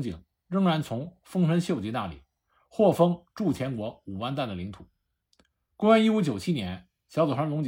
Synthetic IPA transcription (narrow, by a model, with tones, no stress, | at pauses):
ŋt͡ɕḭ˨˩ŋ | ɻɤ˥ŋɻa˧˥nt͡sʰʊ˧˥ŋ | fɤ˥ŋʂʰə˧˥nɕjo˥˩ʊt͡ɕi˧˥na˥˩lḭ˨˩˦ | xwɔ˥˩fɤ˥ŋʈ͡ʂu˥˩t͡ɕʰjɛ˧˥nkwɔ˧˥u˨˩wa˥˧nt̪a˥˩d̪ə˩li˧˥ŋt̪ʰu˨˩˦ | ko˥wa˥ni˥u˧˥t͡ɕjo˨˩ʊt͡ɕʰi˥njɛ˧˥n | ɕjɑ˧˥t͡sɔ˨˩ʂʰa˥nlʊ˧˥ŋt͡ɕ